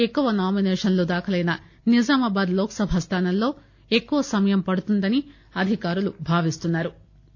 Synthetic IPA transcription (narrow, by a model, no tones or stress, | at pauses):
ekːuʋɐnaːminɛːʂɐnloːd̪aːkʰɐlɐjnɐ | nid͡ʒaːmɐbaːd̪lɔːkɐ̥sɐbʱɐst̪ʰaːnɐllo̞ː | e̞kːuʋɐsɐmɐjɐmpɐɽut̪und̪ɐni | ɐd̪ʱikaːɾulubʱaːʋist̪unːaːɾu